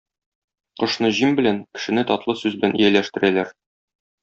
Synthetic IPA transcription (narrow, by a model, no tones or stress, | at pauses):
qɤ̆ʃnɤʑimbɘ̆læŋkɘ̥̆ʃɘ̆nɘt̪ɒt̪lˠɤsʉzbɘ̆lænḭjælæʃt̪ɘ̆ɾælæɾ